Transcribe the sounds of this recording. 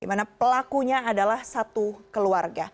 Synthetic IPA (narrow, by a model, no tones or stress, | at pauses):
dimanapəlakuɲaːdalahsat̪ukəluarɡa